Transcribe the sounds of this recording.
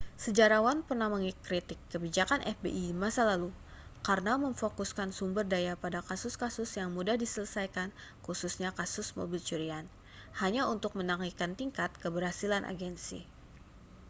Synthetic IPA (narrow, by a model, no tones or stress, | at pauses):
səd͡ʒaɾawanpərnahməŋikːɾit̪ɪkːəbid͡ʒakanʔɛ̰fbḛʔimasalalu | karənaməŋfokuskansumbərdajapadakasʊskasʊsjaŋmudahdisələsajkankususɲakasʊsmo̰bilt͡ʃuɾian | haɲaunt̪ʊk̚mənaŋikant̪iŋkat̪̚kəbərhasilanʔa̰ɡɛnsḭ